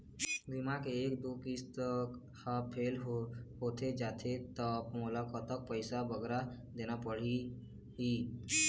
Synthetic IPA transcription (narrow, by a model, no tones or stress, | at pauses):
ɡɪmakeeːk̚d̪oːkist̪ək | hapʰeːlɦoːt̪ʰed͡ʒaːt̪ʰet̪əpmulakət̪ək̚pəɪsabəɡɾa | d̪eːnapəɽ̤i | ɦiː